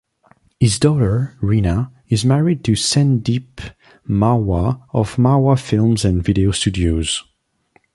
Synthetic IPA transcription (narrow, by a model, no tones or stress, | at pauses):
hɪzdɔɾə˞ɹina | ɪzmæɹid̚tʰɨsɛ̃ndip | mawaɔvmawafɪlˠmzɨ̃nvɪɾeostʰʉdioz̥